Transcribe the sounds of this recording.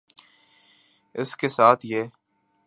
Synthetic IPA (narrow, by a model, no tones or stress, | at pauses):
ɪskesaːt̪ʰjeː